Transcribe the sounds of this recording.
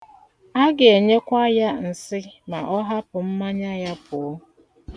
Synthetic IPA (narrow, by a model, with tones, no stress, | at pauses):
a˦ɡe˨e˨ɲe˦kʷa˦ja˦n̩˨sɪ˦ma˨ʔɔ˦ɦa˦pʊ˨m̩˦ma˦ɲa˦ja˦pʰʊ˨˦